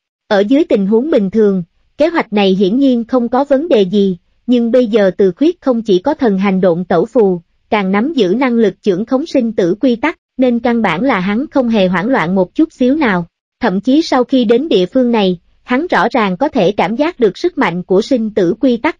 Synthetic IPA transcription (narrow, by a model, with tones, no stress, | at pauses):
ʔəː˧˩zɨ˨˦əjt̪ï˨˩ŋ̟ɦu˨˦əŋɓï˨˩ŋ̟t̪ʰɨ˨˩əŋ | ke˨˦ɦwa˨˩jk̟̚na˨˩jɦḭ˧˥ənɲi˧ənxə˧wŋ͡mkɔ˨˦və˨˦nɗe˨˩zi˨˩ | ɲɨ˧ŋɓə˧jzəː˨˩t̪ɨ˨˩xwi˦˥t̚xə˧wŋ͡mt͡ɕi˧˩kɔ˨˦t̪ʰə˨˩nɦa˨˩jŋ̟ɗo̰˧˨ŋ͡mt̪ə˧˩wfu˨˩ | kaː˨˩ŋna˨˦mzɨ̰˧˥na˧ŋlɨ˨˩k̚t͡ɕɨ̰˧˩əŋxə˨˦wŋ͡msi˧ŋ̟t̪ɨ̰˧˥kwi˧t̪a˦˥k̚ne˧nka˧nɓa̰ː˧˩nlaː˨˩ɦa˨˦nxə˧wŋ͡mɦe˨˩ɦwaː˧˩nlwa̰ː˧˨nmo˨˩t̚t͡ɕu˦˥t̚si˨˦wnaː˨˩w | t̪ʰə̰˧˨mt͡ɕi˨˦sa˧wxi˧ɗe˨˦nɗḭ˧˨əfɨ˧əŋna˨˩j | ha˨˦nzɔ̰˧˥zaː˨˩ŋkɔ˨˦t̪ʰe˧˩kaː˧˩mzaː˦˥k̚ɗɨ˨˩ək̚sɨ˦˥k̚ma̰˧˨ŋ̟ku˧˩əsï˧ŋ̟t̪ɨ̰˧˥˩kwi˧t̪a˦˥k̚